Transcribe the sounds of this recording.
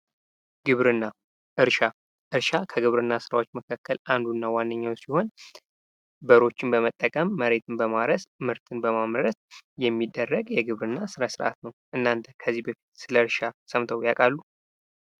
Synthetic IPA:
ɡɨβɾɨnːa | ʔɨɾʃa | ʔɨɾʃakʰəɡɨβɾɨnːasɨɾawo̞t͡ʃːməkʰakːəlʔand̪unːawanːəɲːawsiho̞n | bəɾo̞t͡ʃːɪnbəmət̪ʼːəkʼəmːəɾe̞t̪ʰɨnbəmaɾəsmɨɾt̪ʰɨnbəmamɾət̪jɛmːid̪ːərːəɡjɛɡɨβɾɨnːasɨɾasɨɾʔa̰t̪nəwʔɨnːant̪ʰəkʰəzːibəfi̥t̪sɨləɨɾʃasəmt̪ʰəwjakʼalːu

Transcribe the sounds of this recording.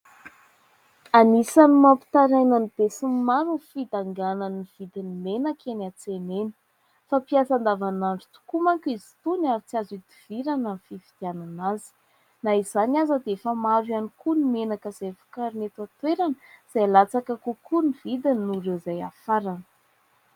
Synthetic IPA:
anisanimampi̥t̪aɾajnanib̥esummaɾunfid̪aŋɡananiv̥id̪inimenakʲenat͡senenə̥ | fapiasand̪avanaɳɖ͡ʐut̪u̥kumaŋkʲuizi̥t̪unaɾit͡siazid̪iv̥iɾanənifivid̪̥jananazi̥ | naizanazəd̪efamaɾwanikunimenakəz̥ejfu̥kaɾnet̪at̪weɾanə̥z̥ajalat͡sakəkukʰunivid̪inuɾezaja̰faɾanə̥

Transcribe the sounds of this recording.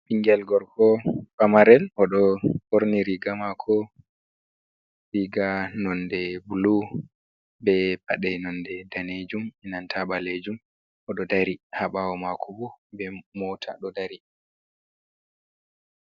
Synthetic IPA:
piŋɡɛlɡɔɾkʰɔfamaɾɛlʔɔɗɔhoɾniɾiɡamakʰɔ | ɾiɡanɔndɛbulu | bɛbaɗɛnɔndɛdaned͡ʒumɛnantʰaɓaled͡ʒum | ʔɔɗɔdaɾihaɓawɔmakʰɔbɔbɛmɔtʰa̰ɗɔdaɾi

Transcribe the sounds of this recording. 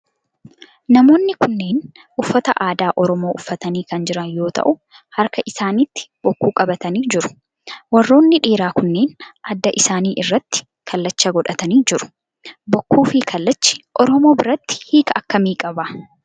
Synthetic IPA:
nɐmo̞ːnːɪkʊnːe̞ːn | ʔʊfːɐt̪ɐʔaːd̪aːʔɔɾɔmo̞ːʔʊfːɐt̪ɐniːkɐnd͡ʒɪɾɐnjo̞ːt̪ɐ̰ʔʊ | hɐɾkɐʔɪsaːnit̪ːɪ̥bɔkːuːkʼɐbɐt̪ɐniːd͡ʒɪɾʊ̥ | wɐrːo̞ːnːɪᶑeːɾaːkʊnːe̞ːnʔɐd̪ːɐʔɪsaːniːʔɪrːɐt̪ːɪ̥ | kʰɐlːɐt͡ʃːɐɡɔᶑɐt̪ɐniːd͡ʒɪɾʊ̥ | bɔkːuːfikʰɐlːɐt͡ʃːɪ̥ʔɔɾɔmo̞ːbɪɾɐt̪ːɪ̥hiːkɐɐkːɐmiːkʼɐbɐ

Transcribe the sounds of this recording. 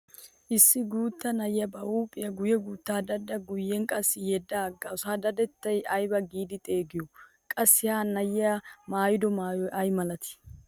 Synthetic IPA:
ʔɪsːɪɡuːt̪ːɐnɐjɪjɐbɐuːpʼːɪjɐɡʊjɛɡuːt̪ːaːd̪ɐd̪ɐɡʊjːɛŋkʼɐsːɪjɛd̪ːaɡːɐʊsaːd̪ɐd̪ɛt̪ːɐjɐjbɐɡiːd̪ɪt̪ʼe̞ːɡɪjɔ | kʼɐsːɪhaːnɐjɪamaːjɪd̪ɔmaːjɔjʔɐjmɐlɐt̪ɪ̥

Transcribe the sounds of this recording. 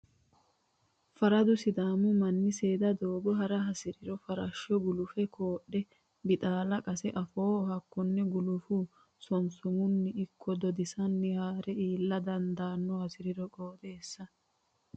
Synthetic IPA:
fɐɾɐd̪ʊsɪd̪aːmʊmɐnːɪseːd̪ɐd̪oːbɔɦɐɾɐɦɐsɪɾɪɾɔfɐɾɐʃːɔɡʊlʊfɛkʰoːɗːɛ | bɪt̪ʼaːlɐkʼɐsɛʔɐfoːɔɦɐkːɔnːɛɡʊlʊfu | sɔnsʊmʊnːɪɪkʰːɔd̪ɔd̪ɪsɐnːɪhaːɾɛiːlːɐd̪ɐnd̪aːnːɔhɐsɪɾɪɾɔkʼo̞ːd̪e̞ːsːɐ

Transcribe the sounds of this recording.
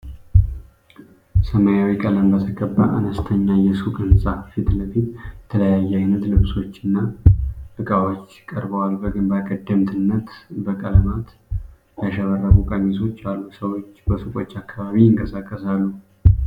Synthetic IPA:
səmajawikʼələmbət̪ʰəɡəbːa̰ʔanəst̪ʰəɲːajɛsukʼɨnsʼafit̪ləfit̪jɛt̪ʰələjajːajnət̪lɨβso̞t͡ʃːɪnːabɨkʼawo̞t͡ʃːɪkʼəɾbəwalbəɡɨnbakʼəd̪ːəmt̪ʰɨnːət̪bəkʼələmat̪ | jaʃəβərːəβukʼəmiso̞t͡ʃːalːusəwo̞t͡ʃːbəsukʼo̞t͡ʃːakʰːaβaβijɪŋkʼəsakʼːəsalːu

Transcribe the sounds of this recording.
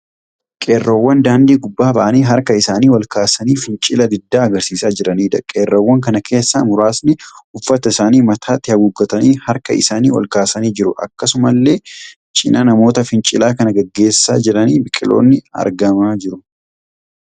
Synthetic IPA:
kʼe̞ːrːɐwːɐnd̪aːnd̪iːɡʊbːaːbɐʔɐniːɦɐɾkɐɪsaːniːwɐlkaːsɐniːfɪnt͡ʃʼɪlɐd̪ɪd̪ːaːɐɡɐɾsiːsaːd͡ʒɪɾɐniːd̪ɐkʼeːrːɐwːɐŋkɐnɐkʰe̞ːsːa̰ːmʊɾaːsnɪʊfːɐt̪ɐɪsaːniːmɐt̪ʰaːt̪ːɪhɐɡʊɡːɐt̪ɐniːhɐɾkɐ̰ɪ̰saːniːwɐ̰lkaːsɐniːd͡ʒɪɾʊʔɐ̰kːɐsʊmɐlːe̞ː | t͡ʃʼɪnɐnɐmo̞ːt̪ɐfɪnt͡ʃʼɪlaːkɐnɐɡɐɡːe̞ːsːaːd͡ʒɪɾɐniːbɪkʼːɪ̰lo̞̰ːnːɪɐ̰ɾɡɐmaːd͡ʒɪɾʊ

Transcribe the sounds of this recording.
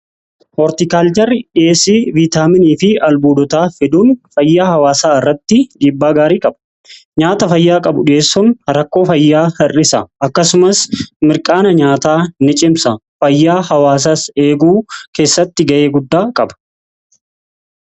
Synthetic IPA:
ʔɔɾt̪ɪkaːld͡ʒɐrːɪᶑeːsiːviːt̪aːmɪniːfɪɐlbuːd̪ɔt̪aːfɪd̪uːnfɐjːaːhɐwaːsaːɪrːɐt̪ːɪɡiːbːaːɡaːɾiːkʼɐbɐ̥ | ɲaːt̪ɐfɐjːaːkʼɐbʊᶑɪeːsːʊnɾɐkːo̞ːfɐjːaːhɐrɪsɐɐkːɐsʊmɐsmɪɾkʼaːnɐɲaːt̪aːnɪt͡ʃʼɪmsɐ | fɐjːaːhɐwaːs̬ase̞ːɡuːke̞ːsːɐt̪ːɪɡɐʔe̞ːɡʊd̪ːaːkʼɐbɐ̥

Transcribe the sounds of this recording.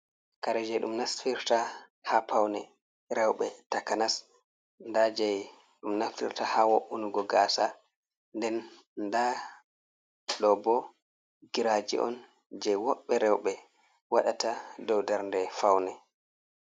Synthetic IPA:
kaɾɛd͡ʒɛjɗumnasfiɾta | hapawnɛ | ɾɛwɓɛtakanas | ndad͡ʒɛj | ɗumnaftḭɾtahawoʔunuɡɔɡaːsa | ndɛn | nda | ɗɔbɔ | ɡiɾad͡ʒḭʔɔ̰n | d͡ʒɛjwɔɓːɛɾɛwɓɛ | waɗatadɔwdɛɾndɛfawnɛ

